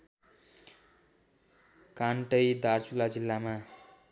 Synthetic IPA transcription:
kaɳʈʌjd̪aɾt͡sulad͡zilːama

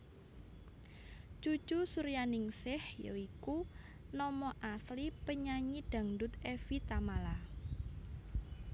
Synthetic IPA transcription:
t͡ʃu̥t͡ʃusuɾjanɪŋsɪhjo̰ikunɔmɔʔaslipəɲaɲid̥ä̤ŋɖʊt̪ɛfit̪amala

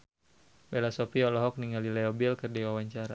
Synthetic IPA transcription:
bɛlasɔpiɔlɔɦɔk̚niŋalilɛɔbilkərdiwawaɲt͡ʃaɾa

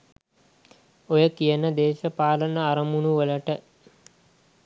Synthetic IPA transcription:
ojəkijənəd̪eːʃəpaːlənəaɾəmunuʋələʈə

